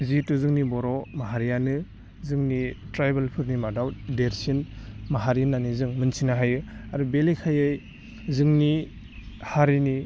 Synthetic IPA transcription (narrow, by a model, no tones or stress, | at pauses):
zituzɯŋnibɔɾɔmaɦaɾijanɯ | zɯŋnitɾajbelpʰɯɾnimadawdeɾsinmaɦaɾinanizɯŋmɯnsʰinaɦajɯaɾubelikʰajɯj | zɯŋni | haɾini